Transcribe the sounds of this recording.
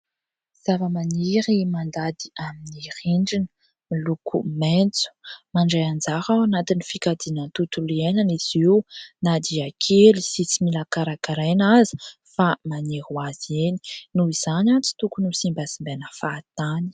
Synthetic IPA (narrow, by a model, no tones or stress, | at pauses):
z̥avəmaniɾimand̪ad̪iaminiɾiɳɖ͡ʐinə̥ | milukʰṵment͡su̥maɳɖ͡ʐajand͡zaɾawanat̪inifikad̪inənt̪ut̪ulienaniz̥iwnad̪iakʰelisit͡similakaɾakaɾenazi̥ | famaniɾwaz̥eni̥nuiz̥anat͡si̥t̪ukunusimbasimbenəfat̪ani̥